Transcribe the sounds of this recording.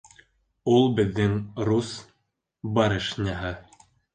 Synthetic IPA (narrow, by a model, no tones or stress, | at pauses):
ulˠbɘ̆ðːɘŋrus | bɑɾɤʃnʲaɦɤ